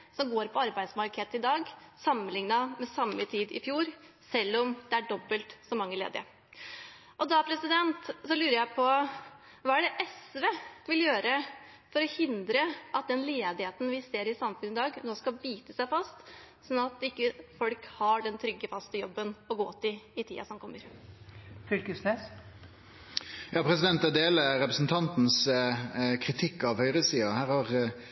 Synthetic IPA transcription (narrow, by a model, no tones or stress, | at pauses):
sɔmɡoːɾpʰɔɑɾbæɪd̪smɑlkʰeːt̪əɪd̪ɑːɡsɑmːənlɪŋnɑmɛsɑmːət̪ʰiːd̪ɪ̰fjuːɾ | sɛlːɔmd̪̥ɛæɖɔbːəlt̪sɔmːɑŋːəlḛːd̪ɪ̰ə | ʔɔd̪ɑpʰɾɛsɪd̪ɛnt̪sɔlʉːɾəjæɪpʰɔ | ʋɑːæɖɛʔɛsʋeʋɪljøːɾə | fɔɾɔhɪnd̪ɾəʔɑt̪̚d̪ɛnleːd̪ɪheːt̪n̩ʋɪseːɾɪsɑmfʉnɪd̪ɑːɡnoːskɑbiːt̪əsæɪfɑst̪ | sɔnːɑt̪ɪkːəfɔlkhɑɖɛnt̪ʰɾʏɡːəfɑst̪əjɔbːənɔɡoːt̪ːɪɪt̪ʰḭːɑ̰sɔmkʰɔmːəɾ | fʏlkəsnes | jɑːpʰɾɛsɪd̪ɛnt̪ɛd̪eːləɾɛpɾəsn̩t̪ʰɑnt̪n̩s | kʰɾɪt̪ʰɪkːɑʋhœʏʁəsiːɑhæːɾhɑʁ